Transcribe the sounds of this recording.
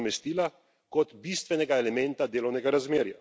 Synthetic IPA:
mɛst̪iːla | kɔt̪bist̪ʋɛnɛɡaɛlɛmɛnt̪ad̪eːlɔwnɛɡaɾazmeːɾja

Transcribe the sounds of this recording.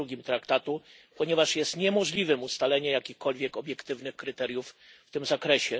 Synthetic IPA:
uɡʲimt̪ɾakt̪at̪u | pɔɲɛvaʂjɛst̪ɲɛmɔʐlʲivɘmust̪alɛɲɛjakʲixkɔlvʲjɛkɔbʲjɛkt̪ɘvnɘxkɾɘt̪ɛɾʲjufːt̪ɘmzakɾɛɕɛ

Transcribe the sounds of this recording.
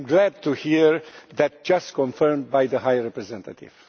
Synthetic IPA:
jmɡlæd̪̚t̪uhiɹðæt̪̚d͡ʒast̪kɔ̃nfəɹmd̪̚bajðəɦajɹɛpɾɛzɛ̃nt̪at̪ḭv̥

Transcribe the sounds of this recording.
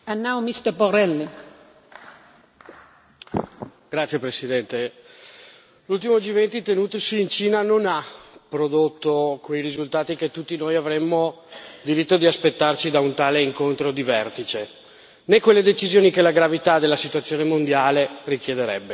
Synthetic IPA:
anːawmist̪əpoɾɛlːi | ɡ̥ɾat̪sjepɾesid̪ɛnt̪e | lult̪imod͡ʒivɛnt̪it̪enuːt̪osiːnt͡ʃiːnanonapɾod̪ot̪ːokwejɾizult̪aːt̪iket̪ːut̪ːinoːjavɾemːo | d̪iɾit̪ːod̪iaspet̪ːart͡ʃid̪aunt̪aːleiŋkont̪ɾod̪ivɛrt̪it͡ʃe | nekːwelːed̪et͡ʃizjoːnikelaɡɾavit̪ad̪elːasit̪uat̪sːjoːnemond̪jaːlerik̟jed̪eɾɛbːe

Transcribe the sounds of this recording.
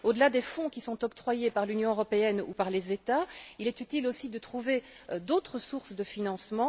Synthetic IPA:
od̪əlad̪efɔ̃kʲisɔ̃t̪ɔkt̪χwajepaʁlynjɔ̃øʁɔpeɛnṵpaʁlezet̪ailɛt̪yt̪ilosid̪ət̪χuveød̪ot̪χəsuʁsd̪əfinɑ̃smɑ̃

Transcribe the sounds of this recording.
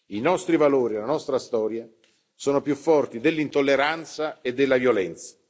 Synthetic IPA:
inɔst̪ɾivaloːɾialːanɔst̪ɾast̪ɔːɾja | soːnopjufːɔrt̪id̪elːint̪olːeɾant̪saed̪ːelːavjolɛnt̪sḁ

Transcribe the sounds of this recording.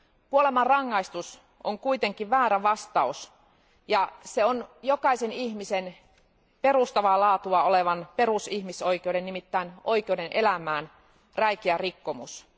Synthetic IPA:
kuolemɑrrɑŋːɑist̪us | ʔoŋkuit̪e̞ŋkiʋʋæːɾæʋɑst̪ɑus | jɑseonjokɑiseniçmisen | pe̞rust̪ɑʋɑlɑːt̪uɑoleʋɑnpe̞ɾusihmiso̞ik̟eodenːimit̪ːæino̞ik̟eudenʔelæmæːn | ræikiærikːomus

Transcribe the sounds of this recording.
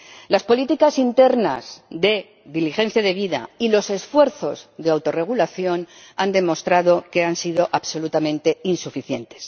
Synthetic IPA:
laspo̞lit̪ikasint̪e̞ɾna̰zðe̞ | ðilixẽ̞n̟θjaðe̞βiða̰ilo̞se̞sfwe̞ɾθo̞zðe̞awt̪o̞re̞ɣ̞ulaθjo̞nand̪e̞mo̞st̪ɾaðo̞ke̞ansiðo̞ʔaβso̞lut̪amẽnt̪e̞insufiθje̞nt̪e̞̥s

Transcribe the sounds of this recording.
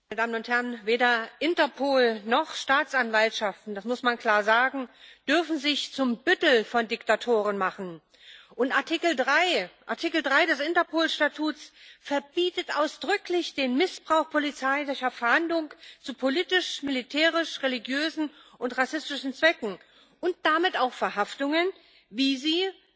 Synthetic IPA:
maɪnədaːmənʊnthɛʁnveːɾɐʔɪntɐpʰoːlnɔχʃtaːt͡sʔanvaltʃaftn̩d̥asmʊsmankʰl̥aːɐzaːɡŋ̩d̥ʏɐfn̩zɪçt͡sʊmbʏtl̩fɔndɪktatʰoːʁ̞ənmaχn̩ | ʔʊntʔaɐtʰɪkl̩dʁaɪʔa̰ɐtʰɪkl̩dʁaɪdɛsʔɪntɐpʰoːlʃtatʰuːt͡sfɛɐbiːtətʔaʊsd̥ʁʏklɪçd̥eːnmɪsb̥ʁaʊxpʰolit͡saɪdɪçɐfɛɐhandlʊŋt͡supʰoliːtɪʃmɪlitʰɛːʁɪʃʁeliɡjøːzn̩ʔʊntʁasɪstɪʃn̩t͡sv̥ɛkŋ̩ | ʊnt̚d̥amɪtaʊxfɛɐɦaftʊŋən | viːziː

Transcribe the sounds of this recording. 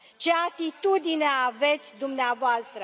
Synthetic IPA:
t͡ʃe̞at̪it̪ud̪ineaave̞t̪sʲd̪umneavoast̪ɾə

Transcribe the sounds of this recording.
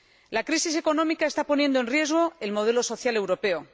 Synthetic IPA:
lakɾisis̬e̞ko̞nõ̞mikae̞st̪apo̞nje̞nd̪oe̞nrje̞zɣ̞o̞elmo̞ð̞e̞loso̞θjale̞wɾo̞pe̞o

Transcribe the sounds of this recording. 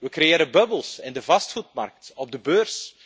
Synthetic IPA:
ʋəkɾejeːɾəbœbəlˠsɛndəvɑstχut̚mɑ̰rk̚tɔb̚dəbøːrs

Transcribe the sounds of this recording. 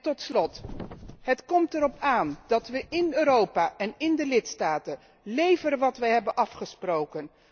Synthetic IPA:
tɔtslɔt | ɦətkɔmtɛɾɔpaːnd̥ɑtʋəɪnøːɾowpaːʔɛnɪndəlɪtstaːtə | lejvəɾəʋɑtʋəɦɛbənʔɑfχəsprowkən

